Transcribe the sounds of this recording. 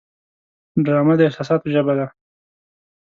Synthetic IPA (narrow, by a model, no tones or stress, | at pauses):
ɖɾɑmad̪əɪxt̪ɑsɑt̪̚pəʒəbad̪a